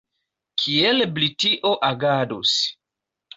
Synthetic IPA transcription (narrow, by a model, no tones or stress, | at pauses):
kʰielblitiʔoʔaɡadus